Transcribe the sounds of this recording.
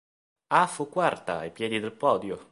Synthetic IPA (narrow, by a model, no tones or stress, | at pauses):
afukːwart̪a̰ːjpjɛːd̪id̪elpɔːd̪jo